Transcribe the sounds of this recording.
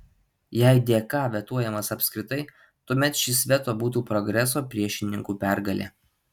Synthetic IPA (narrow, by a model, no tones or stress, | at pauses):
jɛɪd̪ʲeːkɑːʋʲɛt̪uɔjɛmɐsɐpʲsʲkʲɾʲɪt̪ɐɪ | t̪uɔmʲɛt̪ʃʲɪsʲʋʲɛt̪oːbuːt̪uːpɾɔɡɾʲɛs̬oːpʲɾʲiɛʃʲɪnʲɪŋkuːpʲæˑɾɡɐlʲḛː